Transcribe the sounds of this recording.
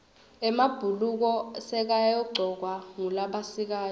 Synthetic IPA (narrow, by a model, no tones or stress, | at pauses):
ɛmab̥ʱuluk̬ɔsɛk̬ajjɔɡ͡ǀʱɔk̬waŋulaɓasik̬aː